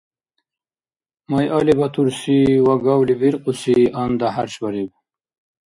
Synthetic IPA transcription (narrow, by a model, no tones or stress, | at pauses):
majʔalibɐt̪ʰuɾsiwaɡawlibiɾqusiand̪ahaɾɕbɐɾib̚